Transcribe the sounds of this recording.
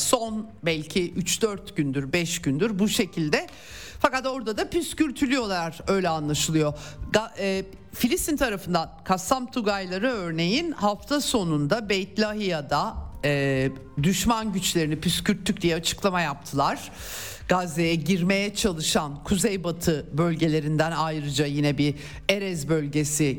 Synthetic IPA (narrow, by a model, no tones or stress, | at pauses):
so̞nbɛlʲcʰiʔyt͡ʃd̪øɾt̪ɟynd̪yɾbɛʃɟynd̪yɾbuʃe̞cʰilʲd̪ɛ | fakat̪o̞ɾd̪ad̪apyscylʲt̪ʰylʲyjo̞lˠaɾø̞jlʲɛanlˠaʃɯlˠɯjo̞ɡa | filʲist̪int̪ʰaɾafɯnd̪ankʰasamt̪ʰuɡajlˠaɾɯøɾne̞jinhaft̪ʰaso̞nund̪abejt̪lʲaɦijad̪aː | d̪yʃmanɟyt͡ʃlʲe̞ɾinipyscʰyɾt̪ʰːyc̚d̪ijɛat͡ʃʰɯ̥klˠamajap̚t̪ʰɯlˠaɾ̥ | ɡ̥azejɛɟiɾme̞jɛt͡ʃʰalˠɯʃankʰuzejbat̪ʰɯbø̞lʲɟe̞lʲe̞ɾind̪ænajɾɯd͡ʒajinɛbi | eɾɛzbø̞lʲɟe̞si